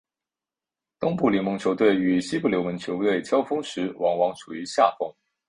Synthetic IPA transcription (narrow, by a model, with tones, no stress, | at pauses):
t̪ʊ˥ŋpu˥˩li˧˥mʊ˧˥ŋt͡ɕʰjo˧˥ʊt̪we˥˩ɪy˨˩ɕi˥pu˥˩ljo˧˥wə˧˥nt͡ɕʰjo˧˥ʊt̪we˥˩ɪt͡ɕʰjɑ˥ʊfɤ˥ŋʂɻ̩˧˥wɑ˧˥ŋwɑ˧˥ŋʈ͡ʂʰu˨˩y˧˥ɕja˥˩fʊ˥ŋ